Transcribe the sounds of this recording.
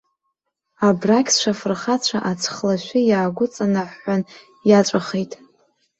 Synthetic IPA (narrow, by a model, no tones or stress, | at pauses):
abrakʲʰsʂʷafɨrχat͡ɕʷʰaʔat͡sʰχlaʃʷɪjaːɡʷʊt͡sʼanaħːan | jat͡ʃʷʼaχejtʼ